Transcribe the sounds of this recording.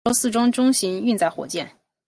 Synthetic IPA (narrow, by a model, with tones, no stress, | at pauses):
ɔ˥sɹ̩˥˩˧ʈ͡ʂʊ˥ŋʈ͡ʂʊ˥ŋɕi˧˥ŋy˥˧nt͡sa˥˩ɪxwɔ̰˨˩t͡ɕjɛ˥˩n